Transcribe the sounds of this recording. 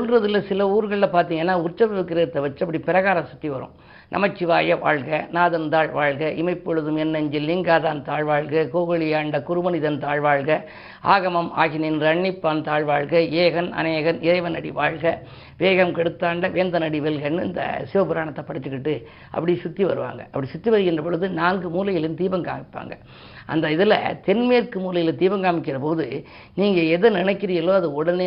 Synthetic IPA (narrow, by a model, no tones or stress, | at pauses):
ʊlɾɐðɯlːɐsɪlɐuːɾɯɣɐɭɪlɐpaːɾt̪iːŋɡɐnːaːʊɾt͡ʃːɐʋɐʋɯkːɪɾɐɯt̪ːɐʋɐt͡ʃːɐpːɐɽipɪɾɐɣaːɾɐsʊ̥t̪ːiʋɐɾɯ̰̃ | nɐ̰mɐt͡ʃːɪʋaːjɐʋa̰ːɻɣɐnaːðɐnd̪aːɻʋaːɻɣɐʔɪmɐɪpːɔɻɯðɯmɛnːɐɲd͡ʒɪlːɪŋɡaːðaːnt̪aːɻʋaːɻɣɐkoːɣɐɭɪjaːɳɖɐkʊɾɯmɐnɪðɐnt̪aːɻʋaːɻɣɐ | a̰ːɣɐmɐma̰ːɣɪnɪnɾɐɳːɪpːaːnt̪aːɻʋaːɻɣɐeːɣɐnɐ̰neːɣɐnɪɾɐɪʋɐnɐɽiʋaːɻɣɐ | ʋeːɣɐmkɛɽɯt̪ːaːɳɖɐʋeːnd̪ɐnɐɽiʋɛlɣɐnːɯɪ̰nd̪ɐ̰sɪʋɐpɯɾaːɳɐt̪ːɐpːɐɽɯt̪ːɯkːɪʈːɯ | ʔɐ̰pːɐɽɪjsʊt̪ːiʋɐ̰ɾɯʋa̰ːŋɡɐ̰ɐpːɐɽisʊt̪ːiʋɐɾɯɣɪndrɐpɔɻɯðɯnaːnɡɯmuːlɐjɪlɪnt̪iːbɐŋɡa̰ːmɪpːa̰ːŋɡɐ̰ | ʔɐ̰nd̪ɐɪðɪlɐ̰t̪ɛnmeːɾkɯmuːlɐjɪlt̪iːbɐŋɡaːmɪkːɪrɐpoːðɯ | niːŋɡɐɛðɯnɪnɐɪkːɪɾɪjɐloːɐðɯɔɽɐneː